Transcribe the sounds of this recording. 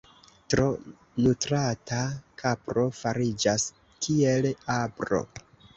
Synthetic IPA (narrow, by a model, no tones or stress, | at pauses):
tɾo̞ | nutɾatakʰapɾo̞faɾid͡ʒas | kʰie̞labɾo̞̰